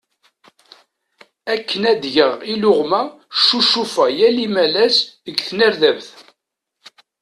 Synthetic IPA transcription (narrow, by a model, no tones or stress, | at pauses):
ækːənæd̪ʝəʁilʊʁmæ | ʃːuʃufæjælimælæsðəɡθnəɾðævθ